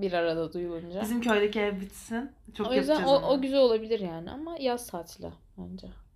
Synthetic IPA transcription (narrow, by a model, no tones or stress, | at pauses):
biɾaɾad̪ad̪ujulˠund͡ʒaizimcʰøjlʲɛcɛbit̪sint͡ʃʰoojyznoæʔoɟyzɛo̞lˠabilʲiɾjaːniʔa̰majazt̪ʰaːt̪ʰlʲa̰b̥ænd͡ʒɛ